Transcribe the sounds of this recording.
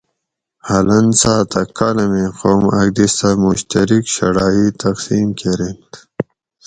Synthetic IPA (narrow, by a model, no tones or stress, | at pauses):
hɐlɐnsaːt̪ɐkːalɐmeqoːmɐɡ̚d̪ist̪amuɕt̪ɐɾikɕɐ̰ɽaːit̪ɐqsiːmkeɾen